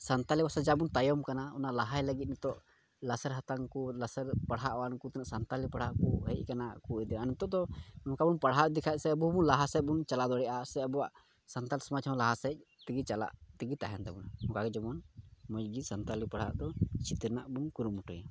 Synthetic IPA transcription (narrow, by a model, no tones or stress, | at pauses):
sant̪aliwasad͡ʒabunt̪ajɔmkanaɔ̰naʔlaɦajləɡit̪̚nɛt̪ɔʔ | lasəɾɦat̪aŋkulasəɾpaɽɦaʔwankut̪ɛnɛʔsant̪alipaɽ̤aʔkuɦɛʔkanakuid̪ɛanɛt̪ɔʔd̪ɔɔkabunpaɽɦaʔd̪ikʰaʔ̪̚sɛəbubunlaɦasɛc̚bunt͡ʃalad̪ɔɽɛʔasɛəbuwaʔ | sant̪alsɔmat͡ʃʰmalaɦasɛc̚ | t̪iɡit͡ʃala̰ʔt̪iɡit̪aɦɛnt̪ɛbunahɔkaɡɛd͡ʒɔmɔnmɔd͡ʒɡisant̪alipaɽ̤ha̰ʔd̪ɔt͡ʃʰit̪iɾnaʔbunkuɾumːuʈɔja